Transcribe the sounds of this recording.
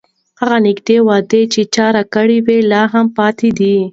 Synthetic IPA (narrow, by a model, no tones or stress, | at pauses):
haɣanɪkd̪ewɑd̪et͡ʃet͡ʃɑɾakəɽiwelɑɦampɑt̪ed̪i